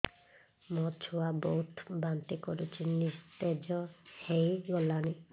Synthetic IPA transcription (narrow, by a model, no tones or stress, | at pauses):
mɔt͡ʃʰuwabɔut̪ʰbant̪ikɔɾut͡ʃʰinist̪ed͡ʒɔhejɡɔlani